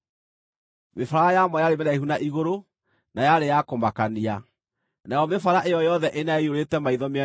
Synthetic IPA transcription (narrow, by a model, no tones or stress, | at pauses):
mefaɾaajamɔjaɾemɛnaihunaʔiɣoɾo | najaɾejakomakania | najɔmefaɾaʔejɔjɔðɛʔenaeioɾetɛmaiðɔmeɛ